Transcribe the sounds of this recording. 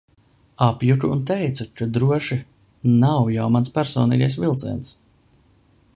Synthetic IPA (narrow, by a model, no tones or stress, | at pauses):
apjukuːnt̪̬ɛjt̪sukad̪ɾuɔʃi | nawjawmanspʲæɾsɔ̰ːnḭːɡajsvʲilˠt̪sɛ̰ns